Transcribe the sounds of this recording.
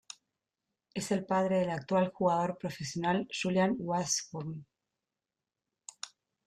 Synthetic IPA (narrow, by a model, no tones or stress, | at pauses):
e̞se̞lpaðɾeðe̞lak̚t̪walxuɣaðo̞ɾpɾo̞fesjonalʃuljanwasxom